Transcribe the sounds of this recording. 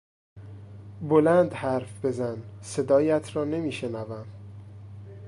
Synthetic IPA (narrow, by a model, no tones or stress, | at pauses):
bolænd̪hæɾfbe̞zænse̞d̪ɒːjæt̪ʰɾɒːne̞miːʃe̞nævæm